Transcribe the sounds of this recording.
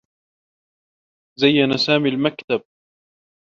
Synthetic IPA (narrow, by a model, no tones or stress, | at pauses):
zajːanasaːmilmakt̪ab̚